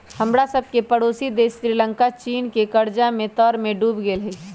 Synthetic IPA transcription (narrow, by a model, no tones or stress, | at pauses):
həmɽasəb̚ʱkepəɽoːsid̪eːsɾilə̃ŋkat͡ʃiːnkekɐɾd͡ʒamẽt̪ɔːɾmẽɖuːbɡeːlɦi